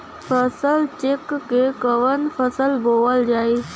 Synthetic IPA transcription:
fʰəsəlt͡ʃekːekəʋənfʰəsəlboʋəld͡ʒaːi

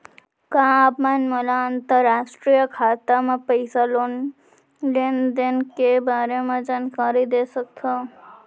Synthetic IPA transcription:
kãːpmanməlaənt̪əɾasʈɾijəkʰaːt̪amẽpəɪsalon | lend̪enkebaːɾemẽd͡ʒankaɾid̪esək̚t̪ʰo

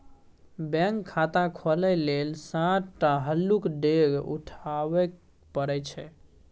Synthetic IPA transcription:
bɛ̃ŋkʰːat̪ãkʰolɛlelsãʈʈaɦəlːukɖeɡṵʈʰaʋɛk | pəɾɛt͡ʃʰɛ

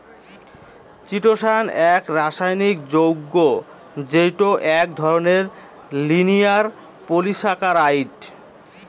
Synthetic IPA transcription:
t͡ɕiʈoʃanɛkɾaʃajnik̚d͡ʑowɡːo | d͡ʑejʈoʔɛk̚d̪ʱɔɾoneɾ | linijaɾ | poliʃakaɾajʈ

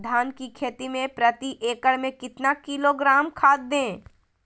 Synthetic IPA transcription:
d̪ʱaːnkikʰeːt̪imẽpɾət̪iʔeːkəɽmẽkɪt̪nakiloɡɾaːmkʰaːd̪̚ːẽː

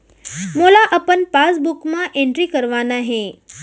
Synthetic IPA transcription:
molaʔəpənpasbukmaʔeɳʈɾiːkəɾʋanaɦe

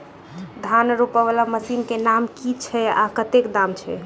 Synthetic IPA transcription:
d̪ʱanɾopəβalaməsinkenamkit͡ʃʰɛa̰kət̪ekd̪amt͡ʃʰɛ

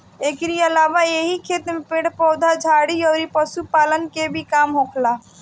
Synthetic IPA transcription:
ekɾiəlabaeɦikʰet̪mepẽɽpɔwd̪ʱad͡ʒʱaɽiəʊɾipəsupalənkebʱikamɦokʰla

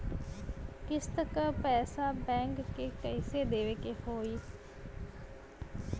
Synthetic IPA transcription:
kɪst̪əkpɛːsabɛ̃ːŋkkːekəɪseːd̪eːʋekehoːiː

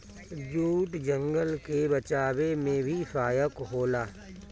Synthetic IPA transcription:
d͡ʒuːʈd͡ʒə̃ŋɡəlkebət͡ʃaːwemẽbʱisaːjəkɦoːlaː

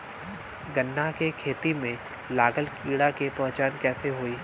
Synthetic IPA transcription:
ɡənːakekʰeːt̪imẽ | laːɡəlkiːɽakepɐ̃ɦt͡ʃaːnkɛːseɦoːiː

